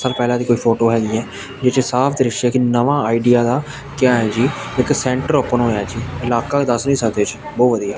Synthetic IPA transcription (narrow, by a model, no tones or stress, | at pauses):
saːlpɛːlãːd̪iːkoːiːpʰoːʈoːɦɛːɡiːɛː | d͡ʒet͡ʃsaːpʰd̪iɾɪʃɛːkɪnəʋãːaːiɖijaːd̪aː | kjãːɦɛːd͡ʒiːɪksɛ̃ːɳʈəɾoːpənɦoːjaːd͡ʒiːɪlaːkaːed̪əsnĩːsək̚d̪eːt͡ʃ | bɔːtʋəd̪ijaː